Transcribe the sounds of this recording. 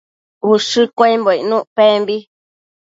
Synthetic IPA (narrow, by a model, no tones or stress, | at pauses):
uʂɨkʷaimboinũʔpembi